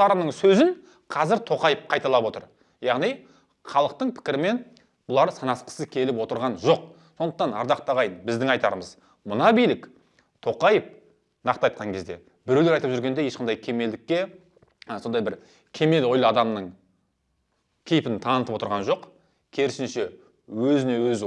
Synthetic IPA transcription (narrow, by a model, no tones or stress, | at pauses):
ɑɾənəɴsɵzɪn | qʰɑzɪɾt̪ʰo̞qɑjəp̚qʰɑjt̪ɑlˠɑpwo̞t̪ə̰ɾ | jɑʁnij | χɑlˠəq̚t̪əɴpʰɪ̥kʲɪɾɪme̞n | bʊlˠɑɾsɑnɑsqə̥səkʲʰe̞lɪp̬wo̞t̪əɾʁɑnʒo̞q̚ | so̞nd̪əqt̪ɑnɑ̰ɾd̪ɑqt̪ɑʁɑjənbɪzd̪ɪŋɑjt̪ɑɾəməz | mʊnɑbijlɪk | t̪ʰo̞qɑjəp̚ | nɑqt̪əɑjt̪̚qʰɑŋkʲʰe̞zd̪e̞̰ | bɪɾe̞wle̞ɾɑjt̪əpʒʏɾɡʲe̞nd̪e̞je̞ʃqʰɑnd̪ɑjkʲʰe̞me̞ld̪ɪkʲːe̞ | so̞nd̪ɑjbɪɾ | kʲʰe̞me̞lo̞jlˠɑd̪ɑmnəɴ | kʲʰe̞jpɪnt̪ʰɑnət̪əpwo̞t̪əɾʁɑnʒo̞q | kʲʰe̞ɾɪsɪnʃe̞ | wɵzɪne̞wɵz